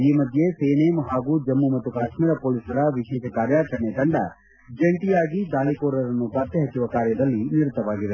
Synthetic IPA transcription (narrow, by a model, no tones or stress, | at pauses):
iːmɐd̪ʱjeseːneːmɦaːɡud͡ʒɐmːumɐt̪ːukaːʃmiɾɐpoːlisɐɾɐʋiʃeːʃkaːɾjaːɾsɐɳːed̪ɐɳɖɐ̰ | d͡ʒeɳʈijaːɡid̪aːlikoːɾɐɾɐnːupaːt̪jɐɦɐt͡ʃːuʋɐkaːɾjɐd̪ɐlːiniɾut̪ʰːɐʋaːɡiʋe